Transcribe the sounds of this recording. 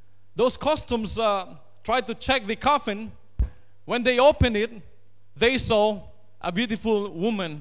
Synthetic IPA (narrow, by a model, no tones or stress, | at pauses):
d̪oskʰɔstə̃ms | tʰɹajd̚tut͡ʃɛk̚ðəkʰafɪ̃n | wɛ̃nd̪eɪopə̃ndɪt̚ | ðesɔ | ʔəbjutifulwumə̃n